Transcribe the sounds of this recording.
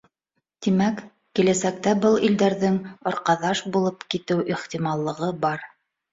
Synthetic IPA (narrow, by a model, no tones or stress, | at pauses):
t̪imæk | kilæsæk̚t̪æbɤlˠild̪æɾðɘŋŏɾqɑðɑʃbulˠɤpkit̪ɘwʔiχt̪imɑlˠːɤ̆ʁɤbɑɾ